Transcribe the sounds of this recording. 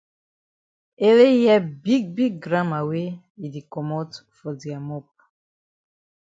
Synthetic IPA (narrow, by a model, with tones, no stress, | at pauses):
e˦le˦jɛ˦bi˦ɡ̚bi˦ɡɡɾã˦ma˨we˦ | i˨di˨kɔ˨mɔ˦tfɔ˨di˨a˨mɔ˦p̚ḁ˨